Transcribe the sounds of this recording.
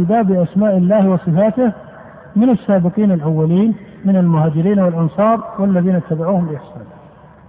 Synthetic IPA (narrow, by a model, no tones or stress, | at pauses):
baːbːɪʔasmaːʔɪlːaːhwɑsˤɨfaːt̪ɪh | mɪnasːaːbɪqiːnalʔawːaliːnmɪnalmʊhaːd͡ʒɪɾiːnawɪlʔɑnsˤɑːɾˤwalːaðiːnat̪ːabaʕuːhʊmbɪʔɪħsaːnɪh